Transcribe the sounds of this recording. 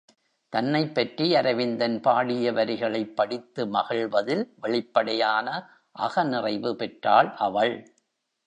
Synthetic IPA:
t̪ɐnːɐɪpːɐʈriɐɾɐʋɪnd̪ɐnpaːɽɪjɐʋɐɾɪɣɐɭɐɪpːɐɽɪt̪ːɯmɐɣɐɭʋɐðɪlʋɛɭɪpːɐɽɐjaːnɐ | ʔɐɣɐnɪrɐɪʋɯpɛʈraːɭʔɐʋɐɭ

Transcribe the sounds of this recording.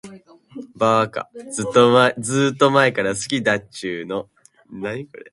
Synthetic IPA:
baːka̰zɨt̪ːomaed͡zɨːt̪ːo̞mae̞kaɾasɨ̥kʲid̪at͡ɕɨːno̞ | naikoɾe

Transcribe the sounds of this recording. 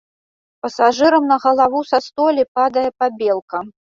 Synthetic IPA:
pɐsaʐɨɾɐmnɐɣɐlˠavusɐst̪ɔlʲipad̪ɐjɛpabʲelˠkɐ

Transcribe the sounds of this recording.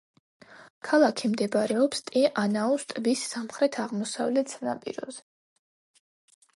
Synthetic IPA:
kʰalˠakʰimd̪ɛbɾɛɔpst̪ʼiʔanaust̪ʼbisːamχɾɛt̪ʰaʁmɔsa̰vlɛt̪ʰsʰna̰pʼḭɾɔ̰zɛ

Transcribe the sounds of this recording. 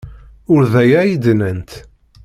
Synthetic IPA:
ʊɾðæjæjid̪nənt̪

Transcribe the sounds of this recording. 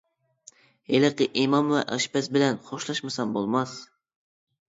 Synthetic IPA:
elɨqɨʔimɑmwɛ̰ʔɑʃbɛsbɪlɛnχoʃlˠɑʃmɨsɑmbolˠmɑs

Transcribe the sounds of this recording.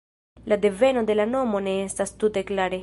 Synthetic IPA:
lad̪e̞ve̞no̞d̪e̞lano̞mo̞ne̞estast̪ut̪e̞klaɾe

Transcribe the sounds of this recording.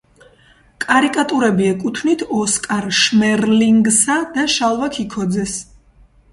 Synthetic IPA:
kʼaɾikʼat̪ʼuɾɛbiɛkʼut̪ʰvnit̪ʰɔskʼaɾʃmɛɾliŋɡsad̪aʃalˠvakʰikʰɔd̪zɛs

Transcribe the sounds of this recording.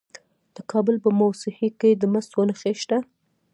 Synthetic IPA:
d̪̥əkʰɑbəlpəmawsɪhiked̪əməst̪wənəxeʃt̪a

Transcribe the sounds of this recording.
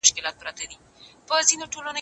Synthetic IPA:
ʊʃkɪlɑt̪̚pɾɑt̪ad̪i | pəzinoʈolano

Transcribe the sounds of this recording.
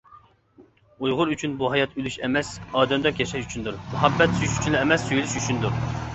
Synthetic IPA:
ujʁʊɾyt͡ʃʰynbuɦɑjɑt̪ylyʃɛmɛsɑːd̪ɛmd̪ɛkʲjɛʃɛʃyt͡ʃʰynd̪uɾmuɦɑbːɛt̪syt͡ʃy̥t͡ʃʰynlɪɛmɛsːøjlyʃyt͡ʃʰynd̪uɾ

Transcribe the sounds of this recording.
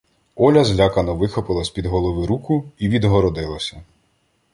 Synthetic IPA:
ɔlʲɐzlʲakɐnɔʋɪxɔpɪlˠɐsʲpʲid̪ɦɔlˠɔʋɪɾukʊiʋʲid̪ɦɔɾɔd̪ɪlˠɐsʲɐ

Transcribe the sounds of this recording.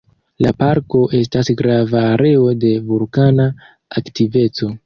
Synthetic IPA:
lapaɾko̞ʔe̞stasɡɾavaːɾe̞o̞de̞vulkana | aktive̞t͡so̞

